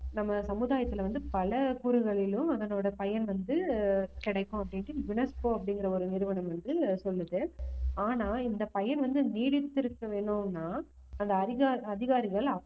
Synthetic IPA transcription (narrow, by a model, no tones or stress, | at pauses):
nɐmːɐsɐmɯðaːjɐt̪ːɪlʋɐnd̪ɯpɐlɐkuɾɯɣɐɭɪlɯ̃ɐðɐnoːɽɐpɐjɐnʋɐnd̪ɯkɪɽɐɪkːʊ̃ɐp̬ːɐɽɪɳʈːɯbɪɳɐspoɐpːɐɽɪŋɡɪɾɐɔɾɯnɪɾɯʋɐɳɐ̃mʋɐnd̪ɯsɔlːɯðɯaːnaːɪnd̪ɐpɐjɐnʋɐnd̪ɯniːɽɪt̪ːɪɾɯkːɐʋeːɳɯnːaː | ɐnd̪ɐɐðɪɣaɐðɪɣaːɾɪɣɐɭ